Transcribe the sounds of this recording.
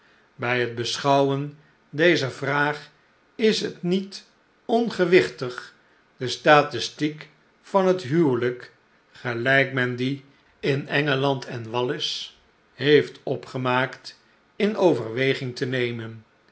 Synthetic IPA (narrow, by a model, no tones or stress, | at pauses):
bɛjɦəd̚bəsχʌwən | dejzəvraːχ | ɪsɦətnit | ɔnχəʋɪχtəχ | dəstaːtɪstik | fɑnɦətɦywlək | χəlɛjkmɛndi | ɪnɛŋəlɑntʰɛnʋɑlɪs | ɦejftʰɔpχəmaːkt | ɪnowvəɹʋejχɪŋtənejmən